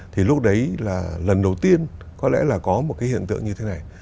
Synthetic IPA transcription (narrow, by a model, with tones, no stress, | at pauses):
t̪ʰi˨˩lʊ˦˥k͡p̚ɗə˨˦jlaː˨˩lə˨˩nɗə˨˩wt̪i˧ən | kɔ˨˦lɛ̰˧˥laː˨˩kɔ˨˦m˨˩t̚kaː˨˦hi˧˨ənt̪ɨ̰˧əŋɲɨ˧t̪ʰe˨˦na˨˩j